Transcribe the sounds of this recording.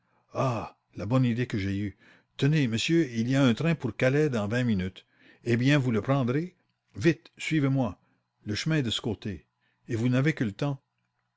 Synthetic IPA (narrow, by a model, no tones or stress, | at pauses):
a | labɔnid̪ekəʒey | t̪əneməsjøiliaɛ̃t̪ʁɛ̃puʁkalɛd̪ɑ̃vɛ̃minyt̪ | ebjɛ̃vuləpɾɑ̃d̪ʁe | vit̪sɥivemwa | ləʃəmɛ̃d̪əsə̥kot̪eː | vunavekələt̪ɑ̃